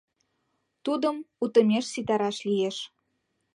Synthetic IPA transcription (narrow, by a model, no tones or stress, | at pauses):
t̪ud̪əmut̪əmʲeʃsit̪ɑɾɑʃlijeʃ